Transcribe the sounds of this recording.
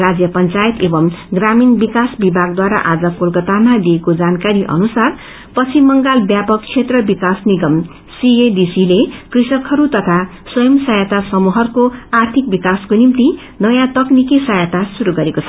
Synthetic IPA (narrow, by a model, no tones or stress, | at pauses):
rad͡zjʌpʌnt͡sajet̪ebʌmɡraminbikasbibʱaɡ̚d̪waɾa̰ʔad͡zʌkolkʌt̪amaliekod͡zankaɾiʔʌ̰nusar | pʌt͡sʰimʌŋɡalbjapʌkt͡sʰet̪rʌbikasniɡʌm | sied̪isilekrisʌkɦʌɾut̪ʌt̪ʰa | swʌjʌmsʌjat̪asʌmuɦʌrkoart̪ʰik̚bikaskonimt̪i | nʌjãt̪ʌknikisʌjat̪asuɾuɡʌɾekot͡sʰʌ